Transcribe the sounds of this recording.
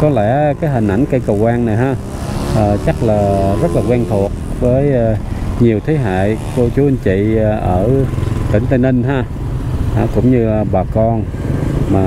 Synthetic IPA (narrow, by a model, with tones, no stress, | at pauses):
kɔ˨˦lɛ̰˧˥kaː˨˦jɦï˨˩ŋ̟ʔa˧˩jŋkə˧jkə˨˩wkwaː˧nna˨˩jɦaː˧ | ʔəː˨˩t͡ɕa˦˥k̚laː˨˩zə˦˥t̚laː˨˩kwɛ˧nt̪ʰu˨˩ət̚ | vəː˨˦jɲi˨˩əwt̪ʰe˨˦ɦa̰ː˧˨jko˧t͡ɕu˨˦ə˧nt͡ɕḭ˧˨˩ʔəː˧˩t̪ï˧˩˦ŋ̟t̪ə˧ni˧nɦaː˧ | ʔaː˧˩kʊ̰˧˥wŋ͡mɲɨ˧˨˩ɓaː˨˩kɔ˧n | maː˨˩